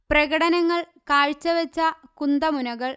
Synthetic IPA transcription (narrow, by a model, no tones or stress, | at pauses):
prɐɣɐɽɐnɐŋːɐɭ | kaːɻt͡ɕːɐʋɐt͡ɕːɐkund̪ɐmunɐɣɐɭ